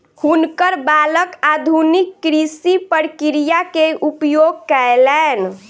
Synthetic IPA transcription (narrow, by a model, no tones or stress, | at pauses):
hunkəɾbaləkad̪ʱunikːɾisipəɾkiɾijakeʔupjoɡ̚kɛelɛn